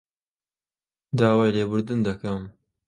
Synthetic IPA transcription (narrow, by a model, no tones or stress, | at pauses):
d̪aːwajleːbʊɾd̪ɨnd̪ɐkɐm